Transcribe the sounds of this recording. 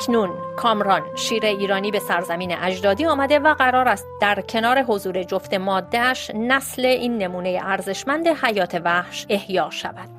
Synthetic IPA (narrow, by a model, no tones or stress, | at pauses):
kʰnunkʰɒːmɾɒnʃiːɾe̞iːɾɒːniːbe̞sæɾzæmiːnḛʔæd͡ʒd̪ɒːd̪iːɒːmæd̪e̞væɣæɾɒːɾæst̪̚d̪̥æɾcʰe̞nɒːɾe̞ɦo̞zuːɾe̞d͡ʒoft̪e̞mɒːd̪ːeæʃnæsle̞ʔiːnːe̞muːne̞jḛʔæɾze̞ʃmænd̪e̞hæjɒːt̪ʰe̞væhʃe̞hjɒːʃæ̰væd̪